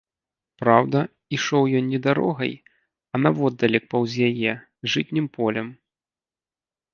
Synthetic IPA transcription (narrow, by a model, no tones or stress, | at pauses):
pɾawd̪ɐ | iʂɔwjɔnnʲɛd̪aɾɔ̰ɣɐ̰j | ɐnɐvɔd̪ːɐlʲɛk̚pɐwzʲjajɛ | ʐɨt̪ʲnʲimpʰɔlʲɐm